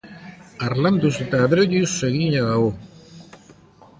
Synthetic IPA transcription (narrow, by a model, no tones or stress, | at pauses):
aɾland̪uset̪aːðɾeʎiseɣiɲaɣao